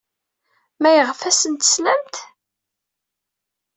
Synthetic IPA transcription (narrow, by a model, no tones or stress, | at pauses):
mæjəʁfæsənt̪ə̥slæmt̪